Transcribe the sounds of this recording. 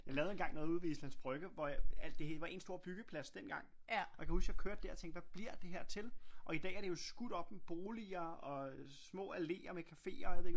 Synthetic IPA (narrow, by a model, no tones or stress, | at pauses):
jɑ̈ɪlɛːʊe̝nɡ̥ɑ̈ŋ̰nɔ̽ːð̩ˠuðˠʋḭslænsb̥ʁœɡ̥əʋɒæl̰d̥e̝ʋɑ̈e̝nso̝ɐ̰b̥yɡ̥əpʰlæsd̥en̰ɡ̥ɑ̈ŋ̰ | jɑ̈kʰæhusjɑkʰøɐ̰d̥ːeæɐ̰t͡sʰeŋɡ̥̚ʋæb̥liɐ̰d̥e̝ɦæɐ̰t͡sʰe̝lʔɒ̽id̥ɛ̰ːæɐɾ̥e̝jo̝sɡ̥uɾ̥ɒ̽b̥meb̥o̝ːliɐɒ̽ | smɔ̰̽ːæle̝̰ːɐmekʰæfe̝̰ːɐɒjɑʋeð̰ˠeɡ